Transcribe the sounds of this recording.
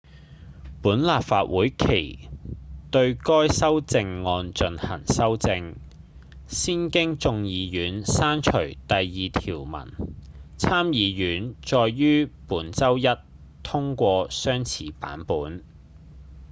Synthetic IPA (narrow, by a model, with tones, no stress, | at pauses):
puː˨˥nlaː˨pfa̰ː˧t̚wuː˨˥jkʰḛ˨˩j | t̪ɵ˧ɥkɔː˥jsɐ˥wt͡sɪ˧ŋːɔː˧nt͡ʃɵ˧nhɐ̰˨˩ŋsɐ˥wt͡sɪ˧ŋ | siː˥nkɪ˥ŋt͡sʊ˧ŋjiː˨˧jyː˨˥nsaː˥nt͡ʃʰɵ˨˩ɥt̪ɐ˨jːiː˨˧t̪ʰiː˨˩wmɐ̰˨˩nt͡sʰaː˥mjiː˨˧jyː˨˥nt͡ʃɔː˧jːyː˥puː˨˥nt͡sɐ˥wjɐ˥t | t̪ʰʊ˥ŋkʷɔː˧sœː˥ŋt͡sʰiː˨˧pa̰ː˨˥npuː˨˥n